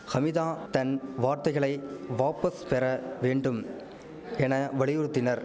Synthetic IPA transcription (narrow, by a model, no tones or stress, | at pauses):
xɐmɪðaːt̪ɐnʋaːɾt̪ɐɪɣɐɭɐɪʋaːpɐspɛɾɐʋeːɳɖɯm | ɛnɐʋɐɭɪjɯɾɯt̪ːɪnɐɾ